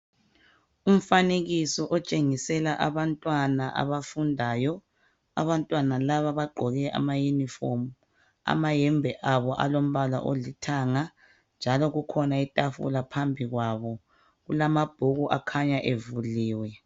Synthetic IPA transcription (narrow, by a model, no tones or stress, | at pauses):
um̩faneɣisɔʔɔt͡ʃʼeŋisɛlaʔaβantʼwanaʔa̰βafundʱaːjɔ | a̰βantʼwanalaβaβaɡ͡ǃʱɔɣɛʔa̰majunifom | a̰majɛmbʱɛʔaβɔʔa̰lom̩βala̰ʔo̰litʰaːŋa | nd͡ʒʱalɔɣukʰɔnaitʼafṵlapʰambʱiɣwaβɔ | ɣulamab̥ʱuɣuʔakʰaɲaʔevuliːwɛ